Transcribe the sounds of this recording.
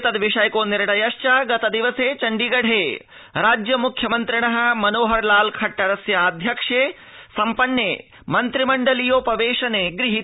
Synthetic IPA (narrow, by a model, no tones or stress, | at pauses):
t̪ɐd̪ʋiʂɐjkoːniɾɐɽɐjɐʃt͡ʃaɡɐt̪ɐd̪iʋɐseːt͡ʃɐɳɖiɡɐɽ̤ʱeː | ɾaːd͡ʒjɐmukʰjɐmɐnt̪ɾiɳɐɦɐ̆mɐnoːɦɐɾlaːlkʰɐʈːɐɾɐsjɐaːd̪ʱjɐkʂeː | sɐmpɐnːjeː | mɐnt̪ɾimɐɳɖɐlijoːpɐʋeːʂɐneːɡɾiɦi